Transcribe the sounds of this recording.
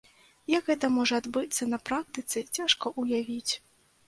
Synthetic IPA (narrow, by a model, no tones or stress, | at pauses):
jɐkɣɛt̪ɐmɔʐɐːd̪bɨt̪sːɐnɐpɾak̚t̪ɨt̪sɨt͡sʲaʂkɐʔujavʲit͡sʲ